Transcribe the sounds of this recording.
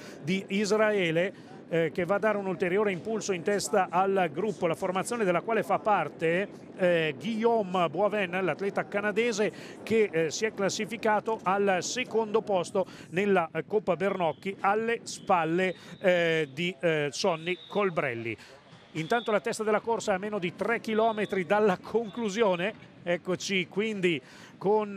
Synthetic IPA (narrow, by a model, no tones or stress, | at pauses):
d̪iizraɛːle | kevːaːd̪ːaːɾeunult̪eɾjoːɾeimpulsoint̪ɛst̪aʔalɡɾupːolaformat̪sjoːned̪elːakwaːlefapːart̪e | ɡijombwavɛnːlat̪lɛːt̪akanad̪eːze | kesiɛkːlasːifikaːt̪oʔalsekond̪opɔst̪onelːakopːabernɔkːialːespalːe | d̪isɔnːikolbɾɛ̰lːḭ | int̪ant̪olat̪ɛst̪ad̪elːakorsaamːeːnod̪it̪rɛkːilɔːmet̪ɾid̪alːakʰoŋkluzjoːne | ɛkːot͡ʃikwind̪i | kon